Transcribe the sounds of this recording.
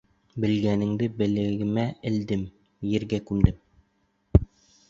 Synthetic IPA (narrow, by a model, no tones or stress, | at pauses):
bɘ̆lɡænɘ̆ŋd̪ɘbɘ̆lɘ̆ɡɘ̆mæɘ̆ld̪ɘm | jɘ̆ɾɡækʉmd̪ɘm